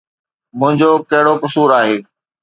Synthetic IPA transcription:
mʊ̃ɦɪ̃ɲd͡ʑokɐɦɪɽokʊsuːɾaːɦeː

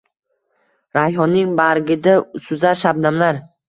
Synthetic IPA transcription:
ɾajɒnɪŋbaɾɡʲɪd̪asʊzaɾʃab̚namlaɾ

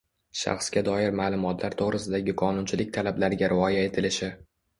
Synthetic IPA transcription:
ʃɑ̰χskʲad̪ɒjɪɾmaːlˠʊmɒt̪ʰlaɾt̪ʰoʁɾɪsɪd̪aɡʲɪqʰɒnʊnt͡ʃʰɪlɪk̚ʲt̪ʰalablaɾɪɡʲaɾʔɪɒjae̞t̪ʰɪlɪʃɪ

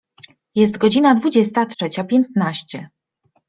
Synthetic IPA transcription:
jɛs̬t̪ɡɔd͡ʑinad̪vud͡ʑɛst̪atʂɛt͡ɕapʲjɛnt̪naɕt͡ɕɛ

